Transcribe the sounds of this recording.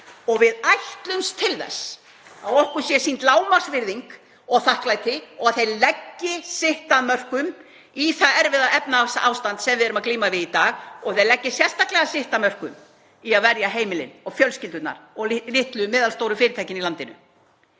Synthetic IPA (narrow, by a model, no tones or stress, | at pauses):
ɔɣvɪðajht̪lʏnst̪ʰɪlθɛ̰s | aðɔhkʏ̥sjɛsiːnt̪laːwmḁsvɪɾðiŋk | ɔɣθahklaːjt̪ɪɔɣaθejlɛcːɪsɪht̪amœr̥kʏm | iθaɛɾvɪðaɛpnaasaʔawst̪ant̪sɛmvɪðɛɾʏmakliːmavɪðit̪aːɣɔɣθejlɛcːɪsjɛst̪aklɛɣasɪht̪amœr̥kʏ̰m | iaðvɛɾjaɦeːjmɪlɪ̰nɔɣfjœlscɪlt̪ʏt̪na̰ɾɔɣlɪht̪lʏmɪːðalst̪oːwɾʏfɪːɾɪt̪ʰajcɪnilant̪ɪnʏ̰